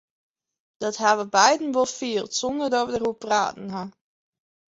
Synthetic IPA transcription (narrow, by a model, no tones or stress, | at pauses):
d̥ɔtɦaʋəbɛjdən̩ʋɔlˠfiːəlˠtsɔndərdɔtʋədərupra̰ːtn̩ɦa